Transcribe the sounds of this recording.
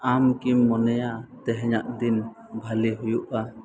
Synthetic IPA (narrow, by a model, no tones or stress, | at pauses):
amkimːɔnɛjat̪ɛɦɛɲaʔd̪in | bʱaliɦujuʔa